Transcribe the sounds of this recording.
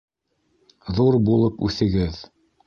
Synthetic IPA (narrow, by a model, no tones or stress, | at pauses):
ðuɾbulˠɤpʉθɘ̆ɡɘð